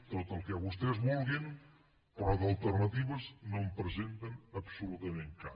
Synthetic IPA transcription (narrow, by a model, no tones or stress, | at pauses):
t̪ot̪əlˠkɛβust̪ɛzβɔlˠɣen | pɾɔðɐlˠt̪əɾnɐt̪iβəznõmpɾəzent̪ənɐpsulut̪ɐmẽŋka